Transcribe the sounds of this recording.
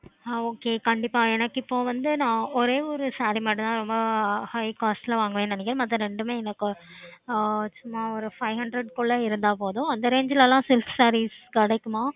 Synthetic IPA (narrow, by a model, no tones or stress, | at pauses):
aoːkeːkɐɳɖɪpːaːeːnɐkːɪpːoːʋɐnd̪ɯnãːɔɾeːɔɾɯsaːɾimaːʈːɯ̃t̪ãːɾɔmbɐhɐɪkaːsʈɪlɐʋaːŋɡɐʋẽːnɐnɪkːɪɾɯmɐt̪ːɐ̃ɾɛɳɖɯmeːɛnɐkːɯ | sʊmːaːɔɾɯfɐɪɦɐɳɖɾɐɖkoːɭɐɪɾɯnd̪aːpoːðʊ̃ɐnd̪ɐɾeːɲd͡ʒɪlɐlãːsɪlfsaːɾiskɐɽɐkːɯmaː